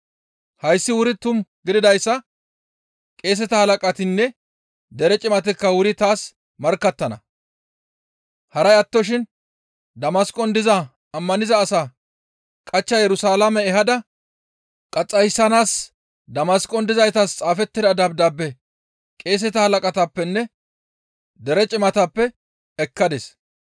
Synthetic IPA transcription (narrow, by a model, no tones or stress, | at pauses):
hɐjsːɪwʊɾɪt̪ːʊmɡɪd̪ɪd̪ɐjsːɐ | kʼe̞ːs̬ɛt̪ɐhɐlɐkʼɐt̪ɪnːɛ | d̪ɛɾɛt͡ʃʼɪmɐt̪ɪkːɐwʊɾɪt̪aːs | mɐɾkːɐt̪ːɐnɐ̰ | hɐɾɐjɐt̪ːɔʃ̬ɪn | d̪ɐmɐskʼɔnd̪ɪzɐ | ɐmːɐnɪzɐːsaː | kʼɐt͡ʃːɐjɛɾʊsaːlɐmɛɛɦɐd̪ɐ | kʼɐt͡sʼːɐjsːɐnaːs | d̪ɐmɐskʼɔnd̪ɪzɐjt̪ast͡sʼaːfɛt̪ːɪd̪ɐd̪ɐb̚d̪ɐbːɛ | kʼe̞ːs̬ɛt̪ɐhɐlɐkʼɐt̪ɐpːɛnːɛ | d̪ɛɾɛt͡ʃʼɪmɐt̪ɐpːɛ | ɛkːɐd̪ɛs